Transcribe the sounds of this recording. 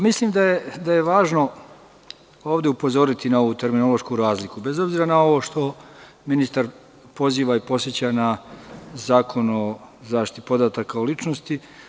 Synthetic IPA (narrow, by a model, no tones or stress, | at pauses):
mislimd̪ajed̪aje̞ʋaːʒno̞ | o̞ːʋd̪e̞upo̞zo̞ɾit̪inao̞ʋut̪e̞ɾmino̞lo̞ʃkuɾaːzlikube̞zo̞bziːɾanao̞ʋo̞ʃt̪o̞ | minist̪aɾ | po̞ziːʋaipo̞tsjet͡ɕana | zaːkʰo̞nozaːʃt̪it̪it̪ipo̞d̪at̪akaolit͡ʃnost̪i